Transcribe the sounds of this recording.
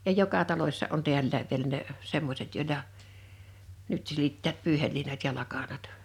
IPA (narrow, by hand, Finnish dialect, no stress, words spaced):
jɑ jokɑ tɑlosʲsɑ ʔon tiælːæːʋ ʋielæ ne semːosʲet joˑilɑ nyt silitːæːt pyːhelːiːnɑt jɑ lɑkɑnɑt